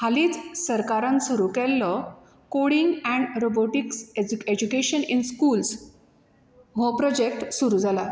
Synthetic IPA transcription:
haliːt͡ssəɾkaɾãnsuɾukɛlːɔ | koɽiŋɡɛ̃ɳɖɾoboʈiksed͡ʑukeɕəninskuːls | ɦɔpɾɔd͡ʑek̚ʈsuɾuːd͡zʱala

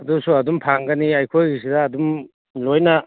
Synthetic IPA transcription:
ɐdusuɐdumpʰaŋɡɐniɐjkʰojɡis̬idɐːdum | lojnɐ

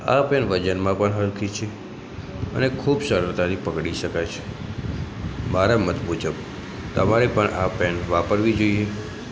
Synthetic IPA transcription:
a̰pɛnʋəd͡ʒənmãpəɳɦəlk̪ʰit͡ʃʰe | ə̰nekʰubsəɾut̪aɾipəkɽiʃəkajt͡ʃʰe̥ | maɾamət̪bud͡ʒəb | t̪əmaɾepəɳapɛnʋapəɾʋid͡ʒoije

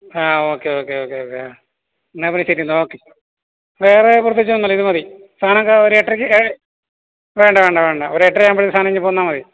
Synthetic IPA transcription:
aːo̞ːkːeoːkːe̞oːkːe̞oːkːea | nːepɐnisɐɾiunːɨo̞ːkːe | ʋe̞ːrepurɐt̪ːit͡ɕːuɐnːɐlːiðɨmɐði | st̪ʰaːnɐmkːaoɾueʈːrikʲːɨe | ʋe̞ːɳɖɐʋe̞ːɳɖɐʋe̞ːɳɖɐoɾeʈːrijaːmbɐɭiɨst̪aːnɐiɲːɨpoːunːaːmɐði

